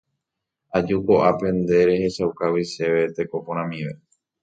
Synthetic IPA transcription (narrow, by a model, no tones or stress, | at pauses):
ad͡ʒuko̞ʔapẽ̞nd̪e̞ɾe̞he̞ʃawkawiʃe̞ʋe̞t̪e̞ko̞poɾ̃ãmĩʋe